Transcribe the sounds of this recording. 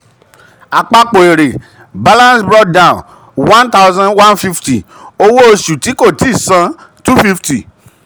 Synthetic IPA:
a˨k͡pa˧k͡po˨e˨ɾe˨ | ba˦lã˦nsbɾɔ˦k̚dã˦˨n | wã˦nta˦ʊzã˦nwã˦nfi˦fti˨ | o˧wo˦o˧ʃu˨ti˨˦ko˦˨ti˨˦˨sã˧˦tu˦fi˦fti˨

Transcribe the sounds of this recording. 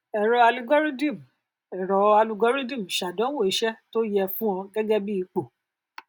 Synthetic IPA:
ɛ˨ɾɔ˨˧a˧lu˧ɡɔ˦ɾi˦dĩ˦˨m˨ | ɛ˨ɾɔ˨a˧lu˧ɡɔ˦ɾi˦dĩ˦˨m̩˨ʃa˨dɔ̃˨˦wo˦˨i˨˧ʃɛ˦to˦jɛ˧fũ˦ɔ̃˧ɡɛ˦ɡɛ˦bi˦i˧˦k͡po˦˨

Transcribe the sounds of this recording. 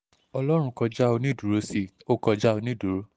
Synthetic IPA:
ɔ˧lɔ˦ɾ̃ũ˧kɔ˧d͡ʒa˦o˧nĩ˦˨du˨ɾo˨˧˦si˧˨o˦kɔ˧d͡ʒa˦o˧nĩ˦˨du˨ɾo˨˦

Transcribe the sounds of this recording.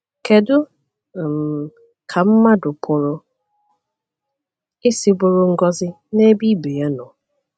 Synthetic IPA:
ke˨dʊ˦˨ | m̩˨ | kʰa˨m̩˦ma˦dʊ˨pʰʊ˨ɾʊ˦ | ɪ˦si˦bʊ˦ɾʊ˦ŋ̩˦ɡɔ˦zɪ˦ | ne˦bi˦be˨je˦nɔ˨

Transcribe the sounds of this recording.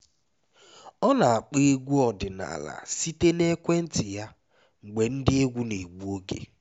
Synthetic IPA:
ɔ˦na˨a˨k͡pe˦e˦ɡʷu˦ɔ˨dɪ˨na̰˨la̰˨si˦te˦ne˦kʷe˦n̩˦tɪ˨ja˦ | ŋ͡m̩˨ɡ͡be˨n̩˦dɪ˦e˦ɡʷu˦ne˨ɡ͡bu˦o˦kḛ˨

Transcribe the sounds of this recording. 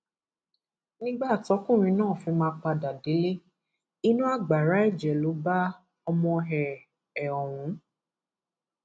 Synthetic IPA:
nĩ˦ɡ͡ba˦˨tɔ˨˦kũ˦˨ɾ̃ĩ˧nãː˦˨fĩ˧˦mãː˧˦k͡pa˧da˨de˨˦le˦ | i˦nũ˦a˦˨ɡ͡ba˨ɾa˨˦ɛ˦˨d͡ʒɛ˨lo˨˦ba˦ | ɔ˧mɔ̃˧ɦɛ˧ | ɛ˨ɔ˨ɾ̃ũ˨˦

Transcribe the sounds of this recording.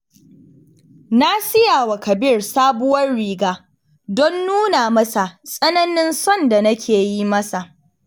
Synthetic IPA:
na˦sɪ˦jaː˨wa˨kɐ˨bɪ˦˨rsaː˦bʊ˦wɐ˦rɽiː˨ɡaː˦ | dɔ˦nːuː˦naː˨mɐ˦sa˨sʼɐ˦nɐ˦nɪ˦nsɔ˦˨nda˨nɐ˦kʲʰeː˨ji˦mɐ˦sa˨ʔ

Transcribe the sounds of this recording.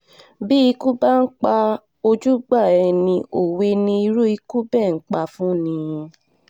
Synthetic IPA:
bi˦i˧˦ku˦ba˦˨n̩˦k͡pa˧ | o˧d͡ʒu˦ɡ͡ba˦˨ɛ˧nĩ˧ʔo˨we˧nĩ˧i˧ɾu˦i˧ku˦bɛ˦˨ŋ̩˦k͡pa˧fũ˦nĩ˧

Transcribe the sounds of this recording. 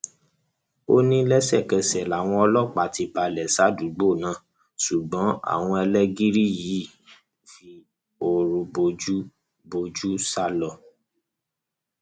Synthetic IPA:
o˦nĩ˦lɛ˦sɛ˦˨kɛ˧sɛ˨la˨w̃ɔ̃˧ɔ˧lɔ˦˨k͡pa˨ti˧pa˧lɛ˨sa˨˦du˨˦ɡ͡bo˦˨nã˨˦ | su˨ɡ͡bɔ̃˨˦a̰˨w̃ɔ̃˧ɛ˧lɛ˦ɡi˦ɾi˦˨ji˨˦˨ | fi˧˦ | o˧ɾũ˧bo˧d͡ʒu˦ | bo˧d͡ʒu˦sa˦lɔ˦˨

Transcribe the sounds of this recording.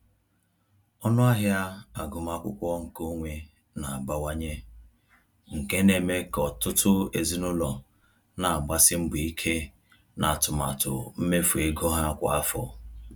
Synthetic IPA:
ɔ˦nʊ˦a˦ɦja˦a˨ɡʊ˨ma˦kʷʊ̰˦kʷɔ˦ŋ̩˨ko˦ŋʷe˨ | na˨a˨ɡ͡ba˦wa˦ɲe˦ | ŋ̩˨ke˦ne˨me˦kɔ˨tʊ˦tʊ˦ḛ˨zi˦nʊ˦lɔ˨ | na˨a˨ɡ͡ba˦sɪ˦m̩˦bu˨i˦kʰe˦ | na˨tʊ˨ma̰˨tʊ̰˨m̩˦me˦fu˨e˦ɡɔ˦ɦa˦˨kʷa̰˨a˦fɔ̰˨

